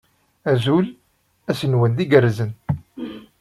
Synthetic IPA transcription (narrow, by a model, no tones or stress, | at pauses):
æzul | æsənwænd̪iɡərːzən